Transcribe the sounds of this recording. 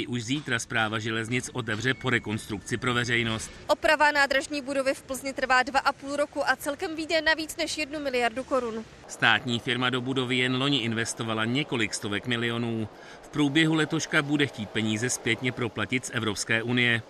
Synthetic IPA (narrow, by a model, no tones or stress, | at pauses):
ɪʔuʃziːt̪ɾaspɾaːvaʒɛlɛzɲɪt͡sʔo̞t̪̬ɛvr̝ɛpo̞ɾɛko̞nst̪ɾuk̚t͡sɪpɾo̞vɛrɛjno̞st̪ʔo̞pɾavanaːd̪ɾaʒɲiːbudo̞vɪfpl̩zɲɪt̪r̩vaːdvaʔapuːlɾokuʔat͡sɛlkɛmviːdɛnaviːt͡snɛʃjɛdnumɪlɪjaɾduko̞ɾʊn | st̪aːt̪ɲiːfɪɾmado̞budo̞vɪjɛnlo̞ɲɪʔɪnvɛst̪o̞valaɲɛko̞lɪkst̪o̞vɛkmɪlɪo̞nuː | fpɾuːbjɛɦulɛt̪o̞ʃkabudɛxciːt̪̚pɛɲiːzɛspjɛt̪ɲɛpɾo̞placɪt̪sʔɛvɾo̞pskɛːʔunɪjɛ